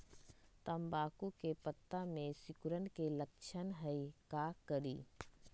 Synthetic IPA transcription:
t̪əmbaːkukepət̪ːamẽsɪkʊɾənkeləkt͡ʃʰənɦəikaːkəɾiː

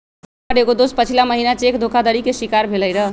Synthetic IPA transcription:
aɖeɡod̪ospət͡ʃʰilaməɦinat͡ʃekd̪ʱokʰad̪əɽikesikaɾbʱeləjɾə

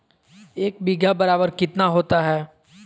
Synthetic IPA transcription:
eːk̚biːɡjabɐɾaːbəɾkɪt̪naɦoːt̪aɦɛː

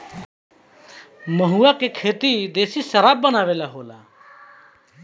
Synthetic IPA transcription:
məɦuːakekʰeːt̪id̪eːsisəɾaːbːənaːʋeːlaɦoːla̰ː

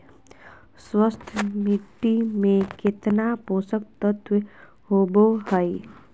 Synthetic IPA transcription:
swəst̪ʰmɪʈːimẽkɪt̪napoːsək̚t̪ət̪ʰw | ɦoːbohəi

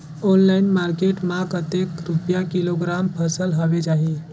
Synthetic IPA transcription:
onlainmaɾkeʈmãkət̪ekɾupjakiloɡɾampʰəsəlɦɔbet͡ʃaɦi

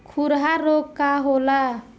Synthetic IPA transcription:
kʰuɾɦaɾokkːaɦola

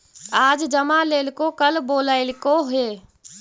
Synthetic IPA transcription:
aːd͡ʒd͡ʒəmaleːlkokəlboːləɪlkoɦeː

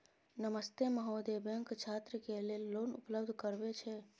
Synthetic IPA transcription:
nəməst̪eməɦod̪ebeŋkt͡ʃʰat̪ɾəkelelːonṵpləbd̪ʱkəɾbet͡ʃʰɛ

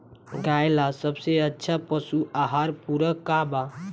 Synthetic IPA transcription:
ɡajlasəbseətːʃʰapəsuʔaɦaɾpuɾəkaba

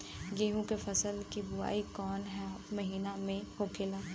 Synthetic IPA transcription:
jeːɦũkefɐsəlkibʊa̰ːikɔːnɦɛmɐɦiːnamẽhoːkʰelaː

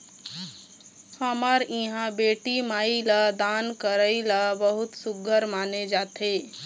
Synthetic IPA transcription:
həmaɾĩɦãbeːʈimaːilad̪ankəɾəilabəɦʊt̪sʊɡʱəɾmaːned͡ʒaːt̪e

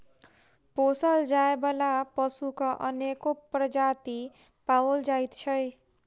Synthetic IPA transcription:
posʌld͡ʒaebʌlapʌsukʌʔʌnekopɾʌd͡ʒat̪i | pawold͡ʒajt̪t͡ʃʰʌj

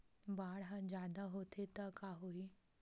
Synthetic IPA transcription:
baːɽɦãd͡ʒaːd̪aɦot̪ʰet̪ɐkaːɦoi

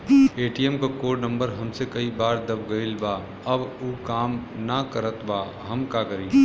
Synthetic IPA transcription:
eːʈijemkakoːɾɖnə̃mbəɾɦɐmsekɐibaːɾd̪ɐbɡəɪlbaː | əbuːkaːmnəkəɾət̪baː | ɦɐmkakəɾiː

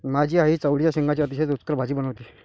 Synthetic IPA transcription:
mad͡ʑʱiːaɦiːt͡səʋɽjaɕẽŋɡat͡ɕjaət̪iɕet͡sut͡skəɾbʱad͡ʑiːbənəʋt̪iː

